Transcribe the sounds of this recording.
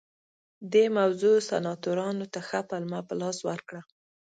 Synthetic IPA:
d̪emawzosa̰nɑt̪oɾɑnot̪axapalmapəlɑswaɾkɽa

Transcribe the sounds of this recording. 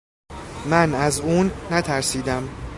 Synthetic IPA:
mænæzuːnːæt̪ʰæɾsiːd̪æm

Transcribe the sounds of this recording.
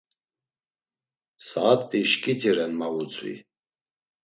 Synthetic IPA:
saːt̪ʼːiʃkʼit̪ʰiɾɛnmavut͡sʰʼwḭ

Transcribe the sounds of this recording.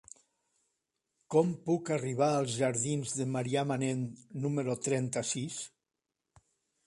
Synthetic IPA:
kɔmpukariβ̞aəlˠzʒaɾðinzðəmaɾiamanenːuməɾot̪ɾɛnt̪asis

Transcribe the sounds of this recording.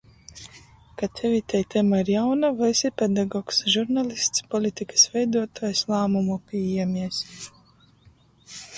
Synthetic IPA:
kat̪ʲɛvʲit̪ɛjt̪ʲɛmaiɾjawnavajsipʲɛd̪aɡɔːksʒuɾnalʲist̪spɔlʲit̪ʲikə̥svɛjd̪uɔt̪ɔːjslˠaːmumupʲiːjɛmʲiɛs

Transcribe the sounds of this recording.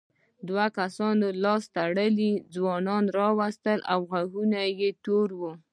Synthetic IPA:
d̪wakasɑnolɑst̪aɽəlid͡zwɑnɑnɾɑwast̪əlawɣaɣunajet̪oɾwu

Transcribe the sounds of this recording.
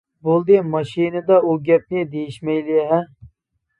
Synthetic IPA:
bolˠd̪ɨmɑʃinɨd̪ɑuɡʲɛp̚nɪd̪ejiʃmɛjliɦɛ

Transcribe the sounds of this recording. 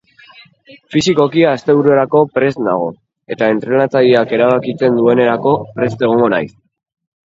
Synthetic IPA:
fisiko̞kiaːst̪e̞βuɾue̞ɾako̞pɾe̞sna̰ɣ̞o̞̰ | e̞t̪ae̞nt̪ɾe̞nat͡saʎiake̞ɾaβ̞akit͡se̞nd̪ue̞ne̞ɾako̞pɾe̞st̪e̞ɣ̞o̞ŋɡo̞na̰js

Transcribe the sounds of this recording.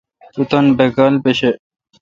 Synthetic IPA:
ut̪ɐnbekalpeɕe

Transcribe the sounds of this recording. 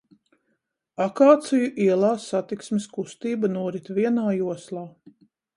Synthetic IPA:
akaːt̪sijuʔiɛlˠaːsat̪iksmiskust̪iːbanuɔɾit̪viɛnaːjuɔslˠaː

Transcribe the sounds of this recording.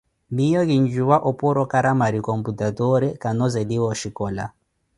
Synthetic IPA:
mijɔɣiɲd͡ʒuwaʔɔpɔɾɔkaɾamaɾikɔmputatɔɾɛkanɔzɛdiwɔʃikɔla̰

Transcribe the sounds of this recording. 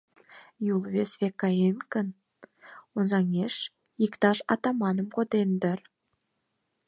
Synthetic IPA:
julˠvʲesvʲekːɑenkən | onzɑŋeʃ | ikt̪ɑʃɑ̰t̪ɑmɑnə̆mkod̪end̪ə̆ɾ

